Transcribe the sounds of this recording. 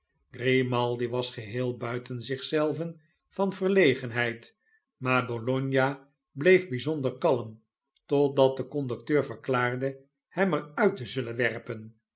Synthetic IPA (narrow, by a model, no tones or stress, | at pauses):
ɡ̥remɑlˠdiʋɑsχəɦɪːlˠbœɥtənzɪχsɛlˠvən | v̥ɑnvəɹlejχənɦɛjt | maːɹbolɔɲja | blejvbizɔndəɹkɑlˠəm | tɔdɑt̚dəkɔndɵk̚tøːɹvəɹklaːɹdə | hɛmɛɹœɥtəzɵlənʋɛrpən